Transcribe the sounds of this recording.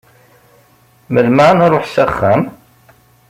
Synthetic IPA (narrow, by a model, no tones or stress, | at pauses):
məlmanɾˤoħsæχːæm